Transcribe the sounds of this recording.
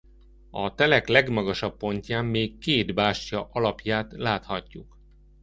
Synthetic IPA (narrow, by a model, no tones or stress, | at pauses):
ɒt̪ɛlɛklɛɡmɒɡɒʃɒpːo̞ɲcaːmːeːkːeːt̪baːʃɒʔɒlɒpjaːt̪laːt̪hɒcːuk